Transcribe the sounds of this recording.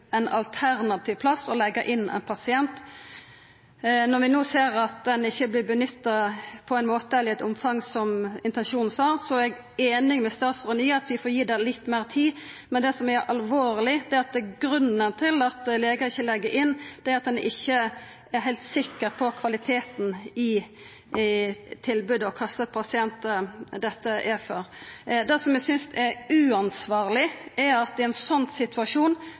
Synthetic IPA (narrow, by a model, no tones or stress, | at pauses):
ɛnɑ̰lt̪ʰæɾnɑt̪ʰiːʋpʰlɑsɔlɛɡːəʔɪnːɛ̰ɪnpʰɑsɪɛnt̪ | nɔʁʋɪnoːseːɾɑt̪̚d̪ɛnɪçːəblɪbənʏt̪ːɑpʰɔæɪnmoːt̪əɛləɾɛt̪ʊmfɑŋsɔmɪnt̪ɛnʃuːnn̩sɑːʁsɔɛɡ | eːnɪŋmɛst̪ɑːt̪sʁəniːɑt̪ʋɪfoːjiːd̪ɛlɪt̪ːmeːʁt̪ʰiː | mɛnd̪ɛsɔmæɾʔɑlʋoːɾlɪd̪ɛɑt̪̚d̪ɛɡɾʉnənt̪ʰɪlɑt̪leːɡəɪçːəlɛɡːəʔɪnːd̪̥ɛæɑt̪̚d̪ɛnɪ̰çːə | æɾɦæɪlt̪sɪkːəʁpʰɔkʰʋɑlɪt̪ʰeːt̪n̩ɪ | t̪ʰɪlbʉːd̪əɔkʰɑst̪ət̪̚pʰɑsɪɛnt̪əd̪ɛt̪ːəʔɛføɾd̪ɛsɔmjɛsʏnsɛɾʉːɑnsʋɑːʁlɪɛɾɑt̪̚d̪ɛɛnsɔnsɪt̪ʰʉɑʂuːn